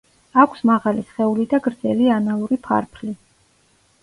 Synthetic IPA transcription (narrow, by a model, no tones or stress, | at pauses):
akʷʰsmaʁalisχɛulid̪aɡɾd̪zɛlianalˠuɾipʰa̰ɾpʰli